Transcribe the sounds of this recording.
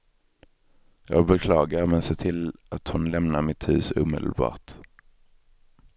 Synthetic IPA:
jɑːɡbɛkʰlɑːɡaɾmɛnseːt̪ʰɪlat̪hʊnlɛmnaɾmɪt̪hʉ̟ːsṵːmḛːd̪əl̩bɑ̰ːʈ

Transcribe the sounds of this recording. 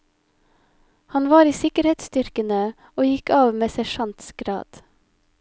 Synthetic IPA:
hɑnʋɑːɾiːsɪkəɾheːt̪st̪ʏɾkənə | oːjɪkɑːʋmeːsɛʃɑnt̪sɡ̥ɾɑ̰ːd̪̥

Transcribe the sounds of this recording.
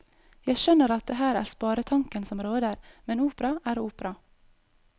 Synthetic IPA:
jæɪʃœnəɾɑt̪̚d̪ɛɦæːɾæ̰ːɾspɑːɾət̪ʰɑŋkənsɔmɾoːd̪əɾmɛnuːpəɾɑæːɾuːpɾɑ

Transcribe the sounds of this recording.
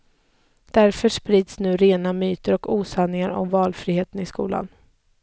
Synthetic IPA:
d̪̥æɾfœʂpɾiːd̪snʉ̟ːɾeːnamyːt̪əɾɔkuːsanːɪŋaɾɔ̰mvɑːlfɾiːheːt̪ənɪskuːla̰n

